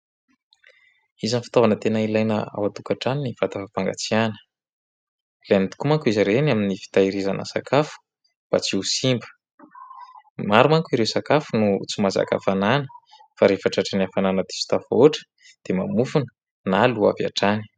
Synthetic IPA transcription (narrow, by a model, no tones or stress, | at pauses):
izanifi̥t̪ovanət̪enəilajnə̰a̰wat̪ukaʈ͡ʂaniniv̥at̪afapaŋɡa̰t͡sianə̥ | lanit̪u̥kumaŋkuiziɾenaminifi̥t̪aiɾizanʔə̰sakʰafu̥ | b̥a̰t͡siusimbə̥ | maɾumaŋkuiɾewsakafunut͡sumaza̰ka̰fananə̥ | faɾefaʈ͡ʂaʈ͡ʂəniafananət̪i̥si̥t̪afoʈ͡ʂə̥ | d̪̥emamufunə̥ | nalua̰va̰ʈ͡ʂani̥